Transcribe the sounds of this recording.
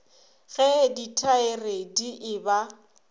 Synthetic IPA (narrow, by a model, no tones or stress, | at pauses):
ɣɛditʰaɪrediʔɪba